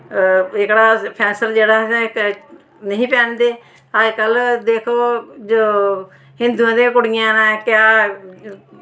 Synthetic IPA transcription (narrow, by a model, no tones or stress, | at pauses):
ɪkɽaːpʰɛːsəld͡ʒeːɽãːk | nəĩːpɛ̃ːnd̪eː | ɦəd͡ʒkəld̪eːkʰoːd͡ʒoː | hɪ̃nd̪uãːd̪ẽːk̬ʊɽɪjãːnãːkjaː